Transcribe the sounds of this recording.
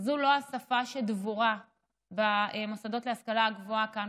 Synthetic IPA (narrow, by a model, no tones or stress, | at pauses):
zulo̞asafaʃed̪vuʁa | baemosad̪o̞tleaskalaaɡvoakan